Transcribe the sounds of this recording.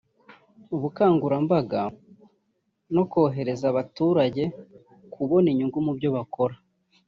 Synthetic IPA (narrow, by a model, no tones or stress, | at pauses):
uβukaːŋɡuɾambaɡa | no̞ko̞ɦe̞ɾe̞zaβatuːɾaɟe̞ | kuβo̞niɲuŋɡumubɟo̞βako̞ɾa